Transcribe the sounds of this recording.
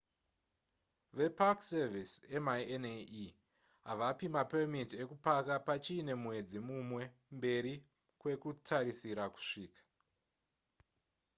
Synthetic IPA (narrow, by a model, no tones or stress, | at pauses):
ʋe̞pakservisemaiene | ɦaʋapimapemitie̞kupakapat͡ʃiːne̞mwe̞d͡zimumwe̞mbe̞ɾi | kwe̞kutʰaɾisiɾaku̥ʂiːkḁ